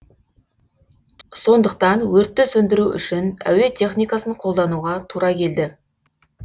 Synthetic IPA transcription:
so̞nd̪əq̚t̪ɑnwɵɾt̪ːɪsɵnd̪ɪɾuʔʏ̰ʃɪnæ̰we̞t̪ʰʲe̞χnijkɑsəɴqʰo̞lˠd̪ɑnuʁɑt̪ʰuɾɑkʲʰe̞ld̪ɪ

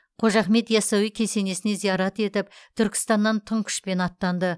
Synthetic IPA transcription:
qʰo̞ʒɑχme̞t̪jɑsɑwijkʲʰe̞se̞ne̞sɪne̞zijɑɾɑt̪e̞t̪ɪpt̪ʰʏɾkʲɪ̥st̪ɑnːɑnt̪ʰəŋkʲʰʏ̥ʃpe̞nɑt̪ːɑnd̪ə

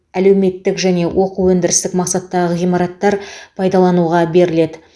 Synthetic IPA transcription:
ælewme̞t̪ːɪkʒæne̞wʔo̞quwɵnd̪ɪɾɪst̪ɪkmɑqsɑt̪ːɑʁəʁijmɑɾɑt̪ːɑɾpʰɑjd̪ɑlˠɑnuʁɑbe̞ɾɪle̞d̪ɪ

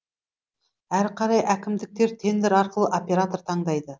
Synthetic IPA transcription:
æɾqʰɑɾɑjʔækʲɪmd̪ɪk̚t̪e̞ɾt̪ʰe̞nd̪ɪɾɑɾqəlˠəʔopʲe̞ɾat̪o̞ɾt̪ʰɑɴd̪ɑjd̪ə

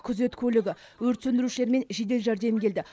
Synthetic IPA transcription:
kʲʰʏze̞t̪kʲʰɵlɪɡʲɪ | wɵɾt̪sɵnd̪ɪɾuʃɪle̞ɾme̞nʒe̞d̪e̞lʒæɾd̪e̞mkʲʰe̞ld̪ɪ

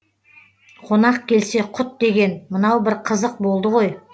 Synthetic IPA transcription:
qʰo̞nɑqkʲʰe̞lse̞qʰʊt̪̚d̪e̞ɡʲe̞nmənɑwbɪɾqʰəzəq̚bo̞lˠd̪əʁo̞j

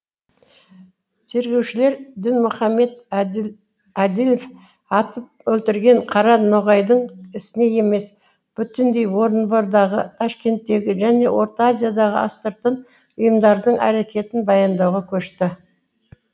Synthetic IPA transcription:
t̪ʰe̞ɾɡʲe̞wʃɪle̞ɾd̪ɪnmʊχɑmːe̞d̪ | æd̪ilf | ɑt̪əp̚ɵlt̪ɪɾɡʲe̞ɴqʰɑɾɑnoʁɑjd̪əɴɪsɪne̞je̞me̞s | b̥ʏt̪ɪnd̪e̞jwo̞ɾənboɾd̪ɑʁət̪ʰɑʃkʲe̞nt̪ːe̞ɡʲɪʒæne̞wo̞ɾt̪azʲijad̪ɑʁə̰ʔɑ̰st̪əɾt̪ən | ʊjəmd̪ɑɾd̪əɴʔæ̰ɾe̞kʲe̞t̪ɪnbɑjɑnd̪ɑwʁɑkʲʰɵʃt̪ɪ

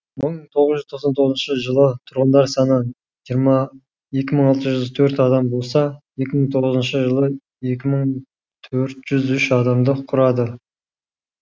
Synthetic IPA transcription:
məɴməɴt̪ʰo̞ʁəzʒʏzt̪ʰoqsɑnt̪ʰo̞ʁzənʃəʒəlˠət̪ʰʊɾʁənd̪ɑɾsɑnə | ʒijəɾmɑ | je̞kʲɪməɴɑlˠt̪əʒʏzt̪ʰɵɾt̪ɑd̪ɑmbo̞lˠsɑje̞kʲɪməɴt̪ʰo̞ʁəzənʃəʒəlˠə | je̞kʲɪməɴ | t̪ʰɵɾt̪ʒ̥ʏzʏʃɑd̪ɑmd̪əqʰʊɾɑd̪ə

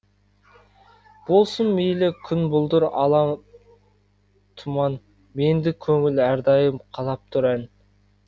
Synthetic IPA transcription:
b̥o̞lˠsənmejlɪkʲʰʏnbʊlˠd̪ʊɾɑ̰lˠɑm | t̪ʰʊmɑn | me̞nd̪ɪkʲʰɵŋɪlæɾd̪ɑjəmqʰɑlˠɑp̚t̪ʰʊɾæn

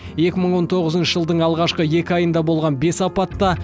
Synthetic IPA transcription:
je̞kʲɪməɴwo̞nt̪ʰo̞ʁəzənʃəʒəlˠd̪əɴɑlˠʁɑʃqəje̞kʲɪɑjənd̪ɑbo̞lˠʁɑnbe̞sɑpɑt̪ːɑ

